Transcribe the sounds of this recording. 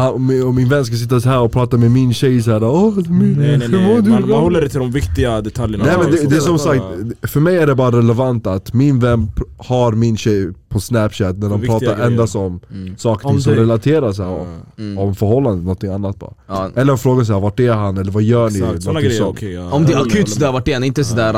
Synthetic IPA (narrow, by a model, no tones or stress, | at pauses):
haɔmɔmːɪnvɛnːs̬kas̬ɪt̪ːashæːɾɔpʰɾɑːt̪amɛmɪnɕɛjshæːɾaɔd̪mhʉmoːd̪hɔlːəɖɛt̪ʰɪld̪ɔmvɪkt̪ɪɡad̪ɛt̪ʰaljənnɛmɛnd̪ɛd̪ɛːs̬ɔmsak̚t̪fœɾmɛjæɖɛbɑːɾaɾɛlɛvant̪at̪mɪnvɛnːphaɾmɪnɕɛjpʰɔsnæpɕɛt̪næɖɔmɾɑːt̪aɾʔɛnd̪asɔmsɑːkə̥ɾʰɪŋsɔmɾɛlat̪ʰeːɾas̬ɛ̰ | ɔvfœɾɦɔlːanənɔnt̪ʰːɪŋanːat̪̚bɑ̰ːɛlːəɾɔfɾoːɡans̬ɛæːɾvaʈːɛɦanɛlːəɾvajœːɳɪɔsɔɔmd̪ɛakkʰʉːt̪sɔd̪æːɾvaʈ̚ːdɛanɪnt̪əsɔd̪æːɾ